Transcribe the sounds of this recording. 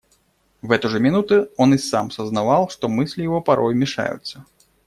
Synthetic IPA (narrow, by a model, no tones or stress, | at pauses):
vɛt̪uʐɐmʲinut̪ɨɔnɨsa̰msɐznavalˠʂt̪ɔmɨsʲlʲijavɔpaɾʔɔjmʲiʂa̰jṵt̪sːɐ